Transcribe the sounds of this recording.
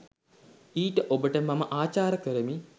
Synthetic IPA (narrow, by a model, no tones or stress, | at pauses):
iːʈəʔobəʈəmaməʔaːt͡ʃaːɾəkəɾəmi